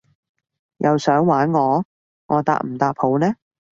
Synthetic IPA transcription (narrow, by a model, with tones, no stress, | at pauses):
jʔɐ˨˧wsœː˨˥ŋwaː˨˥nŋɔː˨˧ | ŋʔɔː˨˧t̪a̰ː˧˩k̚m̩˨˩t̪aː˧p̚ho˨˧wnɛː˥